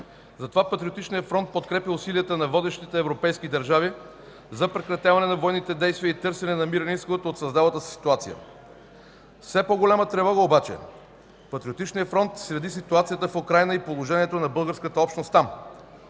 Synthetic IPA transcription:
zɐt̪ovapɐt̪ɾʲiot̪it͡ʃnijəfɾɔnt̪̚pot̪kɾɛpilˠʊsiliət̪ənɐvɔd̪ɛʃt̪it̪ɛːvɾopɛjskid̪ɐɾʒavi | zɐpɾɛkɾɐt̪ʲjavɐnɛnɐvɔjnit̪ɛd̪ɛjst̪vijəit̪ɤɾsɛnɛnɐmiɾəniskoət̪ooːt̪sɐzd̪avət̪əsi̥si̥t̪uat̪sijə̰ | fsɛpoɡolʲamət̪ɾɛvɔɣəobat͡ʃɛ̰ | pɐt̪ɾʲiot̪it͡ʃnijəfɾɔnt̪sɾɛd̪is̬it̪uat̪sijət̪əfokɾajnəipolˠoʒɛniɛt̪onɐbɤlˠɡəɾskət̪əɔpʃt̪nost̪ːam

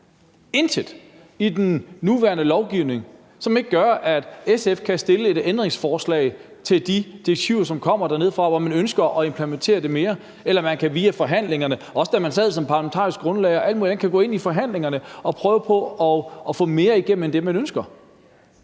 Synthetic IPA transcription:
e̝nsʰed̥ | id̥enːuʋæɐnəlɒʊɡ̥iʊ̰ne̝ŋ | sɒ̽me̝ɡ̥əɡ̥ɶɐʔæd̥esefkʰæsd̥e̝ləe̝d̥end̥ʁeŋsfɒːslɛ̰ɪ | t͡sʰe̝ld̥id̥ieɡ̥̚t͡sʰiʊ̰ɐs̬ɒ̽mkʰɒ̽m̰ɐd̥æɐne̝ð̞̰ˠfʁɑ̈ʋɒmænønsɡ̥ɐʔɒ̽e̝mpʰlement͡sʰe̝̰ːɐd̥e̝me̝ːɐ | elɐmænkʰæʋiːæfɒ̽ɦæn̰le̝ŋɐnəʔɒ̽sə̥d̥æmænsɛð̰ˠsɒ̽mpʰɑ̈ːlæment͡sʰɑ̰̈ːʁisɡ̥ɡ̥ʁɔ̽nlɛɪɒ̽ʔæl̰dmuːlid̥enkʰæɡ̥ɔ̰̽ːe̝nifɒ̽ɦæn̰le̝ŋɐnəɒ̽pʰʁœːʊəpʰɒ̽ɒ̽ːfɔ̰̽me̝ːɐiɡ̥em̰m̩end̥e̝mænønsɡ̥ɐ

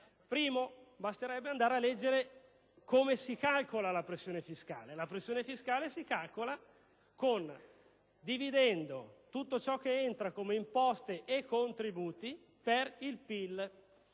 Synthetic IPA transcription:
pɾiːmobast̪eɾɛbːeand̪aːɾealːɛd͡ʒːeɾe | komesikalkolalapɾesːjoːnefiska̰ːlelapɾesːjoːnefiskaːlesikalkola | kon | d̪ivid̪ɛnd̪ot̪ut̪ːot͡ʃɔk̟ːeent̪ɾakomeimpɔst̪eʔekːont̪ɾibuːt̪i | perilpil

